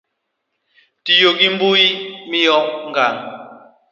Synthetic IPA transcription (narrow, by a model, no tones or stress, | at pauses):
tijoɡim̩buimijɔŋɡaŋ